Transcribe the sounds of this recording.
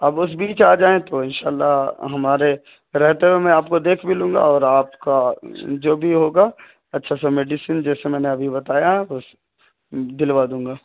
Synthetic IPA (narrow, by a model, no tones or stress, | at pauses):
ɐbʊs̬biːt͡ʃaːd͡ʒaːẽt̪oɪnʃa̰ːlːaɦɐmaːɾe | ɾɛɦt̪ewemẽaːpkod̪eːkʰbɪlũːŋɡa̰ɔːɾaːpkad͡ʒoːbʱiɦoːɡaː | ɐtːʃʰasameːɖisind͡ʒɛːsemɛ̃ːneɐbʱibɐt̪aːjaɦɛʊs | d̪ɪlʋaːd̪ũːŋ̆ɡaː